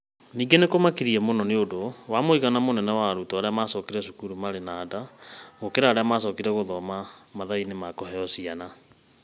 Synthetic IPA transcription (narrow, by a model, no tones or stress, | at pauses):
niːɡenekomakiɾiɛmonɔneodowamoiɣanamonɛnɛwaɾutɔaɾeamasɔːkiɾɛʃukuɾumaɾenaːdaɣokeɾaːɾeamas̬ɔːkiɾɛɣoðɔmamaðainemakɔhɛɔsiana